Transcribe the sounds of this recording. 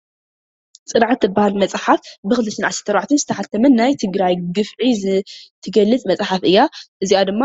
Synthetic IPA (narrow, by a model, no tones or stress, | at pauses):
t͡sʼɨnʕat̪ʰːɨbːahalmɐt͡sʼħafbɨxɨlɨʃɨnʕaszɨ̥t̪ʰːɐɾaʕt̪ʰɨnzɨt̪ʰɐħat̪ʰɐmɐnːajt̪ʰɨɡɾajɡɨfʕizt̪ʰɨɡɐlːɨt͡sʼmɐt͡sʼħafʔɨjːaʔɨziad̪ɨmːa